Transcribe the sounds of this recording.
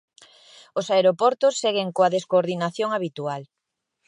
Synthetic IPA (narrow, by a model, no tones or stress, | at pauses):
osaeɾopɔɾt̪osːɛɣeŋkoɐðeskoɾðinaθjoŋaβit̪ual